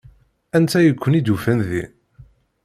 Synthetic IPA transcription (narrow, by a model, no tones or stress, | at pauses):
ænt̪ʰæjəkʷːənid̪ufænðḭ